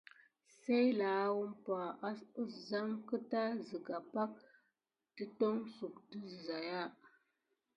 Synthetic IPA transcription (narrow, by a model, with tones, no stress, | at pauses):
sa˦jla˨˦wu˦mpa˨˦˨za˦ŋkə˦ta˦zi˨ɡa˨pa˦k̚ | tə˦to˦ŋsu˨kti˦˨za˨ja˦